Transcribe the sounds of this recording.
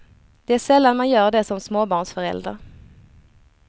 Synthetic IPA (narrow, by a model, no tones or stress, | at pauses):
d̪̥ɛæʂɛlːanmanjœːɖɛsɔmsmoːbɑːɳʂfœɾɛ̰ld̪ɾa̰ɾ